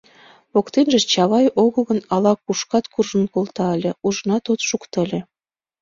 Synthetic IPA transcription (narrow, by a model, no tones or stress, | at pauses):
βokt̪enʒĕt͡ɕɑβɑjoɣəɣə̆nɑlɑkuʃkɑt̪kurʒə̆nkolt̪ɑəlʲĕuʒnɑt̪ot̪ʃukt̪əlʲĕ